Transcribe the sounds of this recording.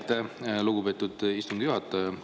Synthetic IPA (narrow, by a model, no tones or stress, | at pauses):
t̪ːeluɡube̞ːt̪ːˑud̪̥ist̪und̪əjuɦɑt̪ːˑɑ